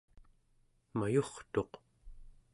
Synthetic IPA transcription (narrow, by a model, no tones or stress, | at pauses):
majoχt̪o̞q